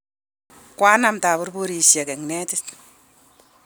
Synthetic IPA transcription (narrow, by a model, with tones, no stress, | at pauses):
kwaː˦na˦mta˨bu˦rbo˦ɾi˨sja˨kɛ˨ŋnɛ˦tɪ˦t